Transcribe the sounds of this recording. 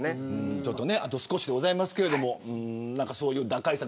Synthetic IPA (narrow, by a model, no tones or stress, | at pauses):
neɯ̟̃ːt͡ɕo̞t̪ːone̞at̪o̞sɨ̥ko̞ɕid̪e̞ɡo̞zaimasɨ̥ke̞ɾe̞d̪o̞mo̞ɯ̟̃ːnãŋkaso̞ːjɯ̟ːd̪akaisa